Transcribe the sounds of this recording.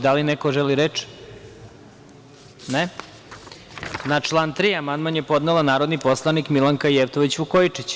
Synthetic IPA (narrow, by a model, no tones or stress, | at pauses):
d̪alinekoʒeliɾet͡ʃ | ne | nat͡ʃlˠaːnt̪ɾiamand̪̚manjepo̞d̪nelanaːɾod̪nipo̞slˠanikmilaŋkaijeʋt̪oʋit͡ɕʋukojit͡ʂit͡ɕ